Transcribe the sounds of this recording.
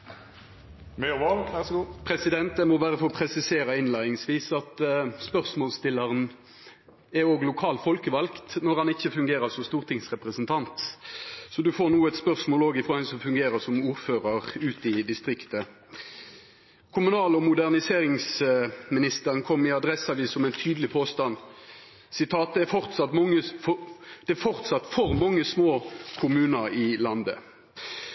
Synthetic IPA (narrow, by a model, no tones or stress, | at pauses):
mɛʋɑːlʋæsɡuːpʰʁɛsɪd̪ɛnt̪̚d̪ɛmɔʋæːʁəfɔʁɔpʰʁɛsɪseːɾɑɪnlæɪnɪŋsʋiːsɑt̪spœʁsmoːlst̪ɪlːəʁən | ɛoːɡlʊkʰɑːlfɔlkəʋɑlkt̪nɔʁhɑnɪçːəfʉŋɡeːɾəsɔst̪uːʁt̪ʰɪŋsʁɛpʁəsnt̪ʰɑnt̪ | sɔd̪ʉfoːʁnuːɛt̪spœʁsmoːloːɡɪfʁoːhɛnsɔmfʉŋɡeːɾəsɔmuːɾføːʁəʁʉːt̪ɪd̪ɪst̪ʁɪkt̪ə | kʰʊmʉnɑːlɔmʊd̪æʁnɪseːɾɪŋsmɪnɪst̪əʁənkʰɔmːɪɑd̪ɾɛsɑʋiːsɔmɛɪnt̪ʰyːd̪əlɪpʰoːst̪ɑn | sɪt̪ʰɑːt̪̚d̪ɛæfɔʁt̪sɑt̪mŋːə | d̪̥ɛfɔʁt̪sɑt̪ːfɔʁmɔŋːəsmoːkʰʊmʉːnəɾɪlɑnd̪ə̰